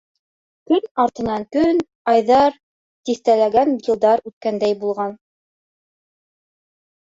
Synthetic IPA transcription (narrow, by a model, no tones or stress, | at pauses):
kɵnɑɾt̪ɤ̆nɑŋkɵn | ɑjðɑɾ | t̪iθt̪ælæɡænjɤ̆lˠd̪ɑɾʉt̪̚kænd̪æjbulˠʁɑn